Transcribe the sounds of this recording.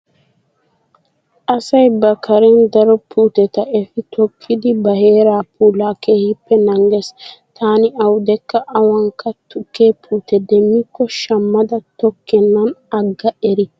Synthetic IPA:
ʔɐsɐjbɐkʰːɐɾɛnd̪ɐɾɔpʰuːt̪ɛt̪ɐɛfɪt̪ʰɔkʰːɪd̪ɪbɐhe̞ːɾaːpːuːlaːkeːhɪpːɛnɐŋɡɛst̪ʰaːnɪɐwd̪ɛkːɐʔɐwɐŋkɐt̪ʊkːeːpʰuːt̪ɛd̪ɛmːɪkːɔʃɐmːɐd̪ɐt̪ɔkʰːɛnːɐnɐɡːɐɛɾɪ

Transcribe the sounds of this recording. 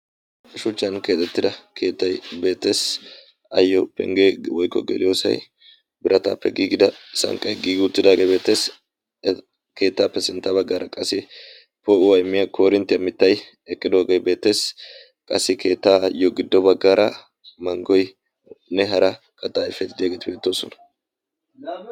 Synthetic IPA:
ɪʃʊt͡ʃːɐnke̞ːt̪ːɛt̪ːɪd̪ɐkʰe̞ːt̪ːɐjbe̞ːt̪ːe̞ːs | ɐjːɔpɛ̰ŋɡewɔjkːɔ̰ɡɛ̰lɪjoːsɐ̰j | bɪɾɐt̪a̰ːpːɛɡiːɡɪd̪ɐsɐ̰ŋkʼɐjɡiːɡʊt̪ːɪd̪aːɡebe̞ːt̪ːe̞ːs | kʰe̞ːt̪ːaːpːɛsɪnt̪ːɐbɐɡːaːɾɐkʼɐsːɪ | pɔʊwɐjmɪjɐkʰoːɾɪnt̪ːɪɐmɪt̪ːɐj | ɛkʼːɪd̪o̞ːɡejbe̞ːt̪ːe̞ːs | kʼɐsːɪkʰe̞ːt̪ːaːjɔɡɪd̪ːɔbɐɡːaːɾʔɐ | mɐŋɡɔj | nɛɦɐɾɐ | kɐt̪ʼːaːɪfːɛt̪ɪd̪ɪjaːɡeːt̪ɪbeːt̪ːoːsɔnɐ̥

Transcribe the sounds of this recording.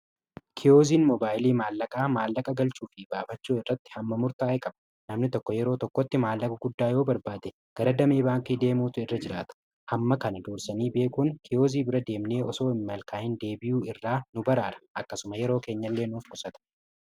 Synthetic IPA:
kʰɪjo̞ːziːnmɔbaːjɪliːmaːlːɐkʼaːmaːlːɐkʼɐɡɐlt͡ʃuːfɪbaːfɐt͡ʃːuːɪrːɐt̪ːɪ̥hɐmːɐmʊɾt̪aːjkʼɐb | nɐmnɪt̪ɔkːɔjɛɾo̞ːt̪ɔkːɔt̪ːɪmaːlːɐkʼɐɡʊd̪ːaːjo̞ːbɐɾbaːd̪ɛ | ɡ̥ɐɾɐd̪ɐmeːbaːŋkiːd̪e̞ːmuːt̪ʊɪrːɐd͡ʒɪɾaːt̪ɐ̥ | hɐmːɐkɐnɐd̪uːɾsɐniːbe̞ːkʊŋkʰɪjo̞ːziːbɪɾɐd̪e̞ːmne̞ːʔɔso̞ːɪmːɐlkaːhɪnd̪e̞ːbɪjuːɪrːaːnʊbɐɾaːɾɐ̥ʔɐkːɐsʊmɐjɛɾo̞ːke̞ːɲːɐlːe̞ːnuːfkʊsɐt̪ɐ̥

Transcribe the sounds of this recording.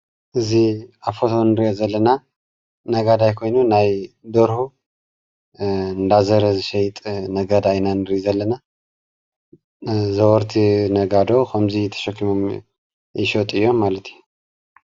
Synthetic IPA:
ʔɨziafot̪ʰonɨɾijozɐlːɐna | nɐɡad̪ajkʰo̞jnunajd̪oɾhu | ɨnd̪azəɾɐzɨʃɛjt̪ʼnɐɡad̪ajnanɨɾizɐlːɐna | zɐwɔɾt̪ʰinɐɡad̪o̞kʰɐmzit̪ʰɐ̥ʃɐkːimom | jɪʃot̪ʼɨjːomːalɐt̪u

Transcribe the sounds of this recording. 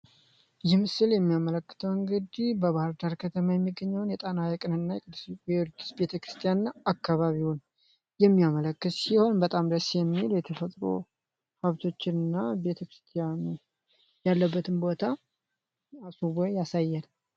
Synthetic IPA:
jɛmɨsɨljɛmːijamələkːɨ̥t̪ʰəwɨŋɡɨd̪ibəβahɨɾd̪aɾkʰət̪ʰəmajɛmːɨɡːəɲːawnjɛt̪ʼanajɛkʼɨnɨnːajɛkʼɨd̪ɨsiɛɾd̪isbe̞t̪ʰəkɾɨ̥st̪ʰijanɨnaakːaβaβiwun | jɛmːijamələkːɨt̪siho̞nbət̪ʼamd̪əsjɛmːiljɛt̪ʰəfət̪ʼɾo̰ | haβt̪ʰo̞t͡ʃːɪnɨnːabe̞t̪ʰəkɾɨ̥st̪ʰijanu | jalːəbːət̪ʰɨnbo̞t̪ʰa | asuβojasajːal

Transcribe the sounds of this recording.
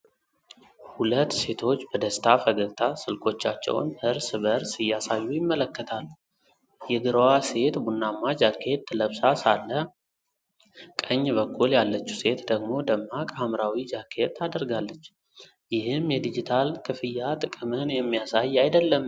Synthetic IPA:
hulət̪ːse̞t̪ʰo̞t͡ʃːbəd̪əst̪ʰafəɡəɡt̪ʰasɨlkʰo̞t͡ʃːat͡ʃːɛ̰w̰nhɨɾsɨβəɾsɨjːasajːujɪmːələkːət̪ʰal | jɛɡɨɾəwase̞t̪bunːamːad͡ʒakʰːe̞t̪ːləβsasalːə | kʼəɲːbəkʰːuljalːət͡ʃːu̥se̞t̪d̪əɡmo̞d̪əmːakʼamɾawid͡ʒakʰe̞t̪ʰːad̪əɾɡalːət͡ʃː | jɪhɨmjɛd̪id͡ʒit̪ʰalkʰɨfɨjːat̪ʼɨkʼɨmɨnjɛmːijasajajd̪əlːəm

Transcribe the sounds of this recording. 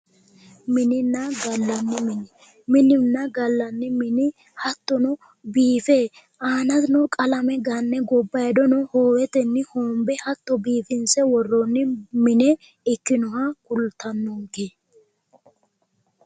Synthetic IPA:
mɪnɪnːɐɡɐlːɐnːɪmɪnɪ | mɪnɪnːɐɡɐlːɐnːɪmɪnɪ | hɐt̪ːɔnɔ | biːfeː | ʔaːnɐd̪nɔkʼɐlɐmɛɡanːɛɡɔbːɐjd̪ɔnɔhoːwɛt̪ɛnːɪhoːmbɛhɐt̪ːɔbiːfɪnsɛwɔrːɔnːɪmɪnɛ | ɪkːɪnɔhɐkʊlt̪ʰɐnːɔŋɡe

